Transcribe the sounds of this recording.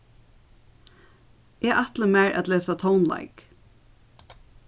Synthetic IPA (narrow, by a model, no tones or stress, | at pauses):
ʔeːʔɑt̪ləmeːɹʔæ̰t̪leːsat̪ʰoʊnla̰ɪk